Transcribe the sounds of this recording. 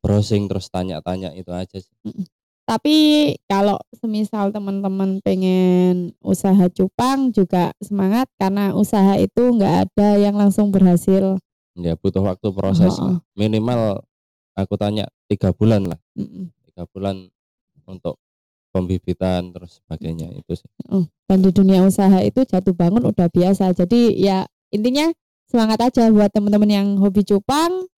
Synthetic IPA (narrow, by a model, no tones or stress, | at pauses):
b̥ɾosɪŋt̪əɾʊst̪aɲa̰ʔt̪aɲa̰ʔit̪uḁd͡ʒasɪ̥m̩ʔ̩ | t̪apikalo̰ʔsəmisalt̪əmənt̪əmənpeŋɛnṵsaɦat͡ʃupaŋd͡ʒuɡ̥asəmaŋat̪̚karnaʔusaɦaḭt̪uŋɡaʔa̰d̥ajaŋlaŋsʊŋbərɦasɪl | jab̥ut̪ʊhwak̚t̪upɾosɛsʔɔ̰minimal | ʔakut̪aɲa̰ʔt̪iɡ̥ab̥ulanla̰hm̩t̪iɡ̥ab̥ulan | unt̪ʊʔ̚ | pəmbib̥it̪ant̪əɾʊsːə̥b̥aɡ̥ajɲa̰ḭt̪usɪ̥hʔəhd̥andiduniausaɦaḭt̪ud͡ʒat̪ubaŋʊnud̥ahb̥iasad͡ʒadija | int̪iɲa | səmaŋat̪ad͡ʒabuat̪ːəmənt̪əmənjaŋɦobit͡ʃupaŋ